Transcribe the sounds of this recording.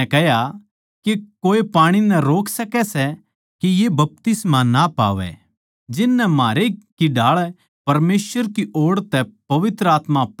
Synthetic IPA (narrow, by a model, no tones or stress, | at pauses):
kɛɦja | kekoːepaːɽ̃inɛ̃ɾoːksɐkɛsɛ | kijebɐp̚t̪ɪsmanapa̰ːʋɛ̰ | d͡ʒɪnːɛmaːɾekiɖʱaːɭ | pɐɾmeːsʋəɾkiʔoːɽt̪ɛpɐʋɪt̪ɾəaːt̪map